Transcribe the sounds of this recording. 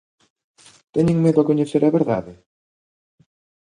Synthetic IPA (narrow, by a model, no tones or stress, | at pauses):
t̪ɛɲẽŋmeðʊakoɲeθeɾɐβeɾða̰ðe